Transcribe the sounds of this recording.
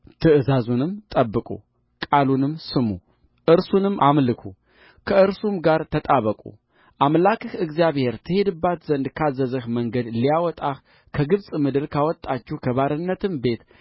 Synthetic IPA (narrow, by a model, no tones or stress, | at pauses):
t̪ʰɨʔɨzazunɨmt̪ʼəbːɨkʼṵ | kʼalunɨmsɨmu | ʔɨɾsunɨmːamlɨkʰu | kʰəʔɨɾsumɡaɾt̪ʰət̪ʼaβəkʼṵ | ʔamlakʰɨhɨɡzijaβhe̞ɾt̪ʰɨhe̞d̪ɨbːat̪zənd̪kʰazəzəhməŋɡəd̪lijawɔt̪ʼah | kʰəɡɨβsʼmɨd̪ɨɾkʰawɔt̪ʼːat͡ʃːɛkʰəβaɾɨnːət̪ɨmbe̞t̪